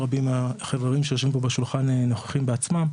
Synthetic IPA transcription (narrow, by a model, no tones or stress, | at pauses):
ʁabimaχevʁeʁimʃejoʃvimbobeʃulχaneno̞χe̥χimbeat͡smam